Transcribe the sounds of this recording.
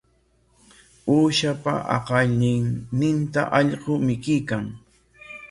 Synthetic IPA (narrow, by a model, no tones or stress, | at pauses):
uːʃapa̰ʔɑ̰qɑʎɪŋnɪnt̪a̰ʔɑʎɢomɪkɪjkaŋ